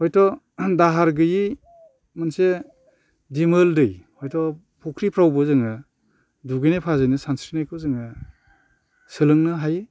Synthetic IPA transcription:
hɔjtʰɔ | daɦaɾɡɯji | manse | dimɯldɯjhɔjtʰɔ | pʰɔkʰɾipʰɾawbɯzɯŋɯ | duɡɯjnepʰazajnɯsansɾinajkʰɯzɯŋɯ | sɯlɯŋnɯɦaj

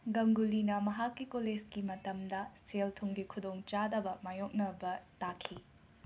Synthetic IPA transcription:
ɡɐŋɡulinɐmɐɦakːikoled͡ʒkimɐtɐmd̪ɐseltʰuŋɡikʰud̪oŋt͡ʃadɐbɐmajok̚nɐbɐtakʰi

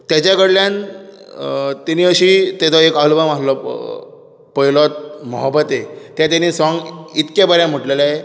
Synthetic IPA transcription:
t̪jat͡ɕakəɽljan | t̪eniəɕit̪ɛt͡sɔekalbəmaɾlɔ | pəilɔt̪̚məɦəbːət̪et̪jat̪̬anisɔŋɡit̪kjabəɾjam̤uʈlelae

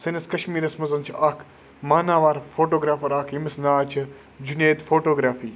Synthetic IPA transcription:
sɐnɐskɐʃmiːɾɐsmɐzɐnt͡ʃʰiʔaːkʰ | maːnaːʋaːɾfʰoːʈoːɡɾaːfɐɾaːkʰimɐsnaːt͡ʃʰɐ | d͡ʒuneːt̪fʰoːʈoːɡɾaːfiː

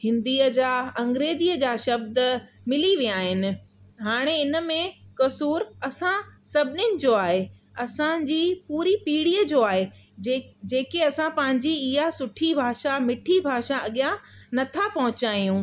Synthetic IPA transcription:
hɪ̃nd̪iːəd͡ʑaːɐ̃ŋɡɾeːziəd͡ʑaːʃɐb̚d̪ə | mɪliʋijaːɦɪnɪ̆ɦaːɽ̃eɪnə̆mẽkɐsuːɾɐsãsɐbʱɪnjʊnɪ̆d͡ʑoːaːɦe | ɐsãd͡ʑiːpuːɾipiːɽiːəd͡ʑoːaːɦe | d͡ʑeːkeɐsãpɐ̃ɦɪ̃ɲd͡ʑiɪɦasʊʈʰibʱaːʃamɪʈʰibʱaːʃaɐɠijãnɐt̪ʰapɐɦʊ̃t͡ɕaːijũ

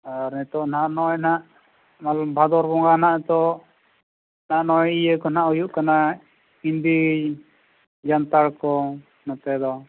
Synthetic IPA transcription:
aɾnɛt̪ɔʔnaʔnɔɛnaʔ | malɔbʱad̪ɔɾbɔŋɡanaʔt̪ɔ | naʔnɔɛijəkɔnaʔujuʔkana | ind̪i | d͡ʒant̪aɽkɔ | nɔt̪ɛd̪ɔ

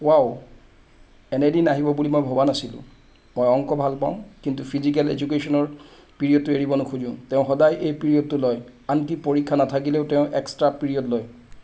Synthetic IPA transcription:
waw | ɛnɛdinaɦibɔbulimojbʱobanasilʊ̰̃ | mɔjɔŋkɔbʱalpaʊ̃kintupʰizik̬ɛlḛd͡ʒuk̬esɔnɔɹ | piɹijɔd̚tueɹibɔnʊxʰuzũtɛʊ̃xɔdajʔejpiɹiɔd̚tulɔjantipoɹikʰːanatʰakileʊtɛʊ̃ʔɛkstɹapiɹiɔdloj

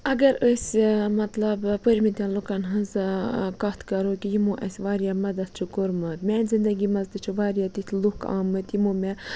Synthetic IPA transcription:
ɐɡɐɾəsʲmɐt̪lɐbpəɾʲmit̪ʲɛ̃nlukɐnɦɨnzɨkɐt̪kɐɾokijimuːʔɐ̰sʲʋaːɾijamɐd̪ɐt̪t͡ʃʰukuɾmɐt̪mʲɛːnʲzind̪ɐɡiːmɐzd̪ɨt͡ʃʰuʋaːɾijat̪it̪ʲʰlukʰa̰ːmɨt̪jimomʲɛ

